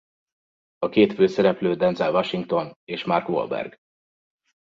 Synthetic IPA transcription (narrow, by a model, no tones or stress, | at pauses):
ɒkeːt̪føːsɛɾɛpløːd̪ɛnzɛlvɒʃiŋk̚t̪o̞neːʃmarkʋo̰lbɛ̰rɡ